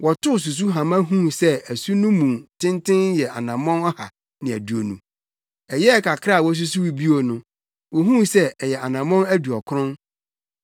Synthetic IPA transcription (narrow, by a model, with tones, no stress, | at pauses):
wɔ˨tʊ˦˨s̬u˨s̬u˦ɦã˨mã˦ɦũ˦sɛ˦æ˨su˦nʊ̃˦mũ˨tʰɪ̃˦ntʰɪ̃˦njɛ˨ʔa̰˨nã˨mɔ̃˦nɔ˦ha̰˨ | nɪ̃˨æ̰˨du˨o˨nṵ̃˨ | ɛ˨jɛ˦ɛ˦˨kʰa˨kʰa˦˨wɔ˦s̬u˦s̬u˦wi˨bi˦o˨nʊ̃˦ | wɔ˨ɦũ˦sɛ˦ɛ˨jɛ˨a˨nã˨mɔ̃˦næ˦du˨ɔ˨kʰʊ˦ɾʊ̃˦n